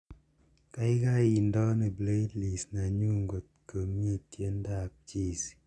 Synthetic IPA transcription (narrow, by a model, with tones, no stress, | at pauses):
ka˦i˦ka˦ji˨ndɔ˦ne˨ble˦dli˨sna˨ɲu˦ŋɡo˨t̚kə˨mi˦tje˦n˦da˦˨p̚t͡ʃi˦˨s